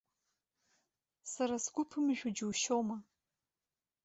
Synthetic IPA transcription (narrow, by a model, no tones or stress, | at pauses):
saɾasɡʷʊpʰɨmʒᶣʷud͡ʒuwʃowma